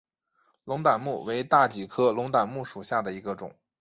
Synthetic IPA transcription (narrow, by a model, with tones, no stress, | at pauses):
lʊ˧˥ŋt̪a˨˩nmu˥˩we˧˥ɪt̪a˥˩t͡ɕi˨˩kʰɤ˥lʊ˧˥ŋt̪a˨˩nmu˥˩ʂu˨˩ɕja˥˩d̪ə˩i˧˥ɡə˧ʈ͡ʂʊ̰˨˩˦ŋ